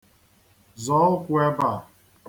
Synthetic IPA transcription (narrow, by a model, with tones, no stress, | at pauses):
zɔ˨˦ʊ˦kʷʊ˦e˦ba˨